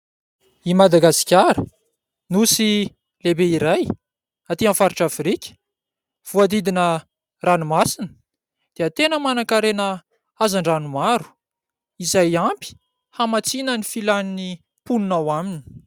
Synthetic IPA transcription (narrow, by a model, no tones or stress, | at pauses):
imad̪aɡasi̥kʲaɾə | nusi | lebeiɾaj | at̪iãfaɾiʈ͡ʂafrikʲə̥ | v̥uad̪id̪inə | ranumasinə | d̪̥eat̪enəmanakaɾenə | azaɳɖ͡ʐanumaɾu̥ | izajampi̥ | hamat͡sinənifilanini | pununawamini̥